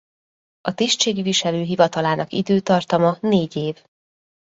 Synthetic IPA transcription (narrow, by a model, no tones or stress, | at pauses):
ɒt̪iːʃt̪t͡ʃeːɡiviʃɛløːɦivɒt̪ɒlaːnɒkḭd̪øːt̪ɒrt̪ɒmɒneːɟeːv